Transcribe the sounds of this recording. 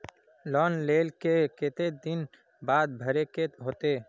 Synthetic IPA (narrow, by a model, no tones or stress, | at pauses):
lɔːnleːlkeket̪ed̪ɪn | baːd̪̚bʱəɾekeɦoːt̪eː